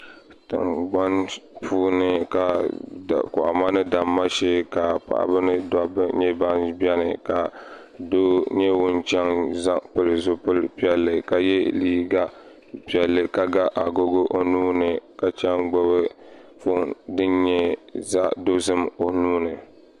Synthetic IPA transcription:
tɨ̰˨mɡ͡ba˦npuː˦nɨ˨ka˨ | kʊ˨ʔa̰˨ma˦nɨ˦da˨mːa˦ʃeː˦ka˨pa̰˨ʔa̰˨bɨ˦nɨ˦da˦bɲɛ˦ba˦nbi˦ɛ˦nɨ̰˨ka˨ | do˦ɲɛ˦wʊ˦nt͡ʃɛ˦ŋza˦pɨ˨lɨ˨zʊ˦pɨ˦lpi˦ɛ˨lːɨ˨ka˨jɛ˦liː˦ɡa˦ | pi˨ɛ˨lːɨ˨ka˨ɡa˦ʔa˨ɡo˦ɡo˦ʔo˨nuː˦nɨ˨ka˨t͡ʃɛ˦ŋɡ͡bo˦bɨ˦fo˦dɨ˦nɲɛ˦za˦do˦zɨ˦mo˨nuː˦nɨ˨

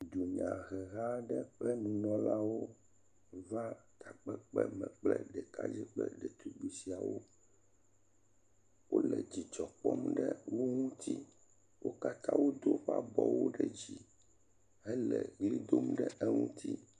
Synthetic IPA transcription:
d̪u˨ɲã˨ɣɛ˨ɣa˦ɖɛ˦k͡plɛ˦nũ˨nɔ̃˦la˦wo˦ | va˦t̪ʰa˨k͡pɛ˦k͡pɛ˦mɛ̃˨k͡plɛ˦ɖɛ˨ka̰˦d͡ʑi˦k͡plɛ̰˦ɖɛ˨t̪u˦ɡ͡bi˨si˨a˨wo˦ | wo˦lɛ˨d͡ʑi˨t͡ʃɔ˨k͡pɔ˦mɖɛ˦wo˦ŋũ˦t̪ʰi˦ | wo˦ka˦t̪ã˦wo˦d̪o˦ɸa˦bɔ˨wo˦ɖɛ˦d͡ʑi˦ | ɦɛ˦lɛ˨ɣli˦d̪o˦mɖɛ˦ʔɛ˦ŋṵ̃˦t̪ʰi˦

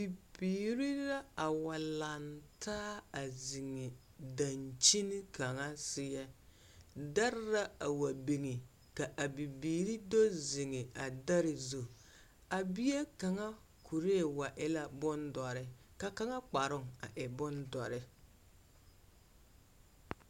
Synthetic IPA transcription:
bi˨biː˨ɾi˦ɾa˦a˨wa˨la˨ntʰaː˦a˨zi˨ŋe˨ | da˨nt͡ʃi˦ni˦ka˨ŋa˦sɪ˨jɛ˦ | da˦ɾɾa˦a˨wa˨bi˨ŋi˨ | ka˨ʔa˨bi˨biː˨ɾi˦do˦zi˨ŋɪ˨a˨da˦ɾɪ˨zu˨ | a˨bi˦e˦ka˨ŋa˦ | kʰu˨ɾe˦˨wa˨ʔɪ˦la˦bʊ˦ndɔ˨ɾɪ˦ka˦ka˦ŋa˦k͡pa˨ɾʊ˦ŋa̰˨ʔɪ˨bʊ˦ndɔ˨ɾɪ˦

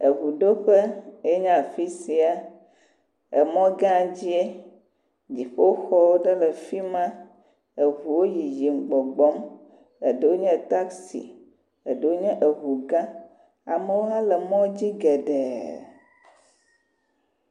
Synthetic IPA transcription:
e˨ɦu˨ɖo˦ɸe˦e˦ɲã˦˨fi˦si˨a˨ | e˨mɔ̃˦ɡã˦˨d͡ʑi˦e˦ | d͡ʑi˨ɸo˦xɔ˦wo˦ɖɛ˦lɛ˨fi˦mã˦ | e˨ɦu˨wo˦ji˨ji˨ŋ͡m̩˨ɡ͡bɔ˨ɡ͡bɔ˦m | e˨ɖə˨wo˦ɲɛ̃˦t̪a˦ksḭ˨ | e˨ɖə˨wo˦ɲɛ̃˦ʔe˨ɦu˨ɡã˦ | a̰˨me˨wo˦ɦã˦lɛ˨mɔ̃˦d͡ʑi˦ɡɛ˨ɖɛ˨

